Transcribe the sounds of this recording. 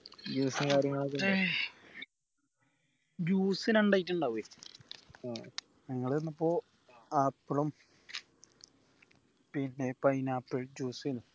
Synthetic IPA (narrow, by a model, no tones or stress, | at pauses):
d͡ʑuːsɐnkaːɾjɐŋːɐɭok̬ːe | d͡ʑuːsinɐɳɖaːjit̬ːɐɳɖaʋe | ɲɐŋːɐɭenːɐpːoː | ɐpːɐɽum | pinːepɐjnapːeɻd͡ʑuːsinu